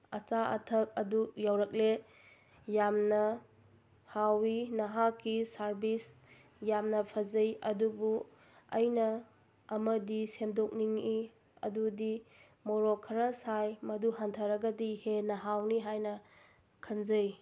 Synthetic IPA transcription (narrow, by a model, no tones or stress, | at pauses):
ɐt͡ʃaʔɐ̰tʰɐk̚ɐdujawɾɐk̚le | jamnɐ | hawinɐɦakisaɾbis | jamnɐpʰɐzɐjɐdubu | ɐjnɐː | mɐdisemdok̚niŋi | ɐ̰dudi | moɾokʰɐɾɐsajmɐduɦantʰɐɾɐɡɐdihenɐɦawniɦajnɐ | kʰɐnzɐj